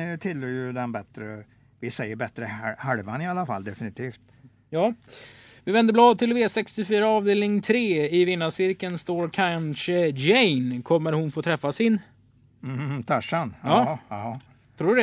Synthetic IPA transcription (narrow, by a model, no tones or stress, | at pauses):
t̪ʰɪlːøjɵd̪ɛnbɛt̪ɾə | vɪsɛjːəɾbɛt̪ɾəhaɾvanɪalːafa̰lːd̪ɛfɪnɪt̪ʰiːft̪ | jɑː | vɪvɛnd̪əblɑːd̪̚t̪ʰɪlveːsɛkst̪ɪfyːɾaɑːvd̪eːlnɪŋt̪ʰɾeːɪvɪnːasɪɾkənst̪oːɾkʰanɕəd͡ʒɛjnkʰɔmːəɾhʊnfoːt̪ʰɾɛfːasɪn | m̩t̪ʰaʂanɑː | t̪ʰɾuːɛ